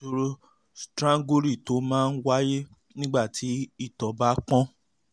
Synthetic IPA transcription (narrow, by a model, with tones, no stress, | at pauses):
o˧ɾo˦ | stɾã˦ŋɡu˦ɾi˦˨to˨˦mãː˦˧n̩˦wa˦je˦ | nĩ˦ɡ͡ba˦˨tʰi˨˦i˦˨tɔ˨˦ba˨˦k͡pɔ̃˦